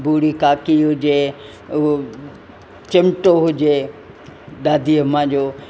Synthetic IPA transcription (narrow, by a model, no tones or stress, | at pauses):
bʱuːɽikaːkiɦʊd͡ʑe | t͡ɕɐmɪʈoɦʊd͡ʑe | ɗaːd̪ʱiəmãːd͡ʑoː